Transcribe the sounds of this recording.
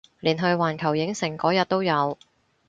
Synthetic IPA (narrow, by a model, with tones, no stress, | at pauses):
liː˨˩nɦɵ˧ɥwaː˨˩nkʰɐ˨˩wjɪ˨˥ŋsɪ˨˩ŋkɔː˨˥jɐ˨t̚t̪o˥wjɐ˨˧w